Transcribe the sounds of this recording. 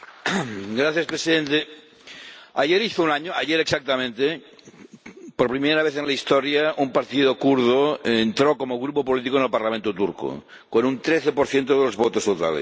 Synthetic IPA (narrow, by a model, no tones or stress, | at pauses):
ɡɾaθjaspɾesiðẽnt̪e | aʎeɾiθounaɲoaʎeɾeksak̚t̪amẽnt̪e | poɾpɾimeɾaβeθenlaist̪oɾjaumpaɾt̪iðokuɾð̞oent̪ɾokomoɣ̞ɾupopolit̪̬ikoenelpaɾlamẽnt̪ot̪uɾko̰ | konunt̪ɾeθepoɾθjent̪̬oðelozβot̪ost̪ot̪a̰lḛs